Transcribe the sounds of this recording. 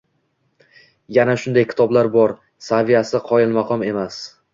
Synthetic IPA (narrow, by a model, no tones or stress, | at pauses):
janaʃʊnd̪ajkʲʰɪ̥t̪ʰɒblaɾbɒɾ | savijasɪqʰɒjɪlmaqʰɒme̞mas